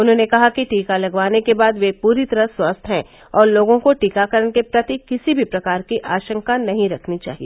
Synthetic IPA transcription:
ʊnɦõːnekɐɦakiʈiːkalɐɡʋaːnekebaːd̪ʋepuːɾit̪ɐɾəswɐst̪ʰɦɛ̃ | ɔːɾloːɡõkoʈiːkakɐɾənkepɾɐt̪ikɪsibʱipɾɐkaːɾkiʔaːʃə̃ŋkanɐɦĩɾɐkʰnit͡ʃa̰ːɦie

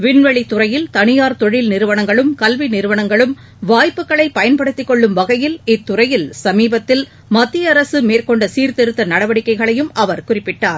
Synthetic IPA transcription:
ʋɪɳʋɐɭit̪ːʊrɐjɪlt̪ɐɳɪjaːɾt̪ɔɻɪlnɪɾɯʋɐɳɐŋɡɐɭɯmkɐlʋinɪɾɯʋɐɳɐŋɡɐɭɯm | ʋaːjpːɯkːɐɭɐɪpːɐjɐnpɐɽɯt̪ːɪkːɔɭːɯmʋɐɣɐjɪlɪt̪ːʊrɐjɪlsɐmiːbɐt̪ːɪl | mɐt̪ːɪjɐɾɐsɯmeːrkɔɳɖɐsiːɾt̪ɛɾɯt̪ːɐnɐɽɐʋɐɽɪkːɐɪɣɐɭɐjɯmʔɐʋɐɾkʊrɪpːɪʈːaːɾ

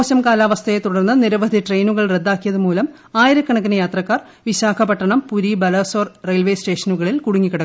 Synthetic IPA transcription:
ɕɐmkaːlaːʋɐst̪ʰɐjet̪uɽɐrnːɐniɾɐʋɐd̪ʱiʈrejnuɣɐɭre̞d̪ːaːkːijɐðumuːlɐm | aːjiɾɐkːɐɳɐk̬ːinɐjaːt̪rɐkːaːr | ʋiɕaːkʰɐpɐʈːɐɳɐmpuɾibɐlɐːsoːrrejlʋeːsʈe̞ːʂɐnuɣɐɭilkuɽuŋːikːɐɽɐkː

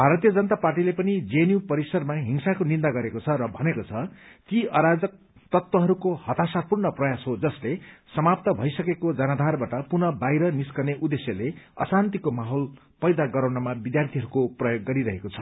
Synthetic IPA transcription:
bʱaɾʌt̪ijʌd͡zʌnt̪aparʈilepʌnid͡zenjupʌɾisʌɾmaɦiŋsakonind̪aɡʌɾekot͡sʰʌɾʌbʱʌnekot͡sʰʌt̪iʌɾad͡zʌk̚ | t̪ʌt̪wʌɦʌɾukohʌt̪asapurnʌprʌjasɦod͡zʌslesʌmap̚t̪ʌbʱʌjsʌkekod͡zʌnad̪ʱarbaʈʌpurnʌbajɾʌniskʌneʔud̪esjʌleʌ̰sant̪ikomaɦol | pʌjd̪aɡʌɾawnʌmabid̪jart̪ʰiɦʌɾukoprʌjoɡːʌɾiɾʌɦekot͡sʰʌ

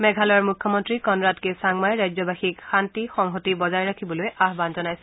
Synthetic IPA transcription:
mɛɡʱalɔɔɹmukʰjɔmɔntɹikɔnɹatkesaŋmajɹajzɔbaxikxantixɔŋɦotibɔzajɹakʰibɔlojaɦbanzɔnajsɛ̥

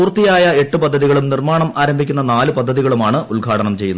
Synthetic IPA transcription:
puːrt̪ːijaːjɐe̞ʈːɨpɐd̪ʱːɐðiɣɐɭumnirmaːɳɐmaːɾɐmbʱikʲːunːɐnaːlɨpɐd̪ʱːɐðiɣɐɭumaːɳɨulɡʱaːʈɐnɐmt͡ɕe̞jːunːɐ

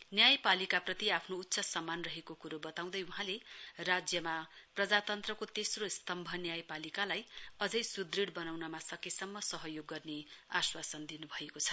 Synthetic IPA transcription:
njajpalikaprʌt̪iapʰnout̪ːsʌsʌmːanrʌɦekokuɾobʌt̪aw̃d̪ʌjuɦãlerad͡zjʌmaprʌd͡zat̪ʌnt̪rʌkot̪esrost̪ʌmbʱʌnjajpalikalajʌd͡zʌjsud̪riɽbʌnawnʌmasʌkesʌmːʌsʌɦʌjoɡːʌrneaswasʌnd̪inubʱʌekot͡sʰʌ̥

